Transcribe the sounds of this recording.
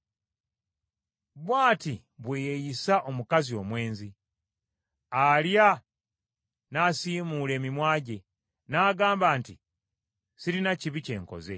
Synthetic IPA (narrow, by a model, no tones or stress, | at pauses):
βwaːti | βweːjejisaʔo̞mukazio̞mwe̞ːnzi | alja | nasiːmuːle̞ːmimwaːɟe̞ | naːɡaːmbaːnti | siɾinaciβice̞ːŋko̞̰ze̞̰